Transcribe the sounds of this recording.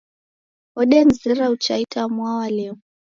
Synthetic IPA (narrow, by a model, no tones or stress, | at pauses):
ɔɗɛnzɛɾaut͡ʃaitʰamwawalɛ